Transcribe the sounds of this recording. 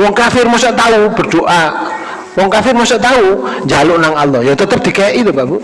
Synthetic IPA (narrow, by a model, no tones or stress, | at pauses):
wɔŋkafɪrmosaʔt̪aubərd̪oʔa | wɔŋkafɪrmosɔʔt̪aud͡ʒaluʔnaŋalːɔhjat̪ət̪əp̚d̥̪ikajaʔit̪ubabu